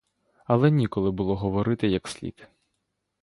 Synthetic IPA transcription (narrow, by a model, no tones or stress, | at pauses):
ɐlˠɛnʲikɔlˠɪbʊlˠɔɦɔʋɔɾɪt̪ɪjɐksʲlʲḭt̪